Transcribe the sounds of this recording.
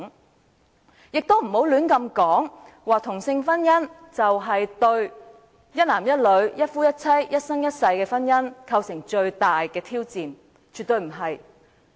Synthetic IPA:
jɪ˨k̚t̪o˥wm̩˨˩ho˨˥wlyː˨˥nkɐ˧mkɔː˨˥ŋ | waː˨t̪ʰʊ˨˩ŋsɪ˧ŋfɐ˥njɐ˥n | t͡sɐ˨wɦɐ˨jt̪ɵ˧ɥ | jɐ˥t̚laː˨˩mjɐ˥t̚lɵ˨˧˥ɥjɐ˥t̚fuː˥jɐ˥t̚t͡sʰɐ˥jjɐ˥t̚sɐ˥ŋjɐ˥t̚sɐ˧jkɛː˧fɐ˥njɐ˥nkʰɐ˧wsɪ˨˩ŋt͡ʃɵ˧ɥt̪aː˨jkɛː˧t̪ʰiː˥wt͡siː˨n | t͡ʃyː˨t̪ɵ˧ɥm̩˨˩ɦɐ˨j

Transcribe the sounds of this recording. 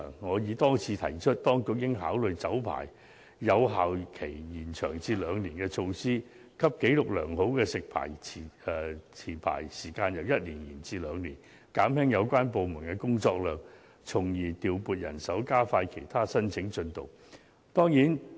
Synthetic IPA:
ŋɔː˨˧jiː˨˧t̪ɔː˥ŋt͡sʰiː˧t̪ʰɐ̰˨˩jt͡ʃʰɵ˥t̚t̪ɔː˥ŋkʊ˨˧k̚jɪ˥ŋɦaː˨˥wlɵ˨ɥt͡sɐ˨˥wpʰa̰ː˨˩j | jɐ˨˧wɦaː˨wkʰe˨˩jjiː˨˩nt͡ʃʰœː˨˩ŋt͡siː˧lœː˨˧ŋliː˨˩nkɛː˧t͡ʃʰo˧wsiː˥ | kʰɐ˥p̚ke˨˥jlʊ˨k̚lœ̰ː˨˩ŋho˨˥wkɛː˧sɪ˨k̚pʰa̰ː˨˩jʰi˨˩˨t͡sʰiː˨˩pʰa̰ː˨˩jsiː˨˩kaː˧njɐ˨˧wjɐ˥t̚liː˨˩njiː˨˩nt͡siː˧lœː˨˧ŋliː˨˩n | kaː˨˥mhɛ˥ŋjɐ˨˧wkʷwaː˥np̬o˨wmuː˨˩nkɛː˧kʊ˥ŋt͡sɔː˧k̚lœː˨ŋ̚ | t͡sʰʊ˨˩ŋjiː˨˩t̪iː˨˩wpuː˨t̚jɐ̰˨˩nsɐ˨˥wkaː˥faː˧jkʰe˨˩jt̪ʰaː˥sɐ˥nt͡sʰɪ˨˥ŋt͡ʃɵ˧nt̪ʊ˨˩w | t̪ɔː˥ŋjiː˨˥n

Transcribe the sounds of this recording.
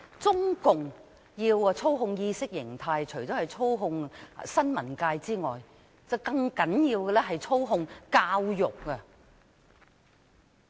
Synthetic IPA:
t͡sʊ˥ŋkʊ˨ŋ | jiː˧wt͡sʰo˥wɦʊ˧ŋjiː˧sɪ˥k̚jɪ˨˩ŋt̪ʰaː˧jt͡ʃʰɵ˨˩ɥt͡ʃɔ˨˥hɐ˨jt͡sʰo˥wɦʊ˧ŋsɐ˥nmɐ˨˩nkaː˧jt͡siː˥ŋɔː˨j | t͡sɐ˨˧wkɐ˧ŋkɐ˨˥njiː˧wkɛ˧lɛ˥ɦɐ˨jt͡sʰo˥wɦʊ˧ŋkaː˧wjʊ˨˩k̚ːɛ˧

